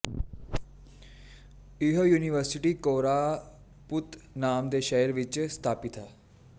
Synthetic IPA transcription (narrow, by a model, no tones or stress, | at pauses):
ɪɦoːjuːnɪʋəɾsɪʈiːkoːɾaː | pʊt̪naːmd̪eːʃeːəɾʋɪt͡ʃst̪ʰaːpɪt̪ɦɛː